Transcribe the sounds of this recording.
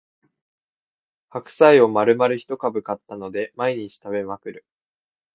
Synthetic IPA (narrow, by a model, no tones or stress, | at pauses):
hakɯ̟̥saio̞maɾɯ̟maɾɯ̟çi̥t̪o̞kabɯ̟kat̪ːano̞d̪e̞maiɲ̟it͡ɕi̥t̪aβe̞makɯ̟ɾɯ̟